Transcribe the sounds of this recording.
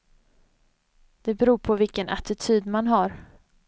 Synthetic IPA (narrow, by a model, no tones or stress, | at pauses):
d̪̥ɛbɛɾuːɾpʰɔvɪlkənʔat̪ɪt̪ʰyːd̪manɦaɾ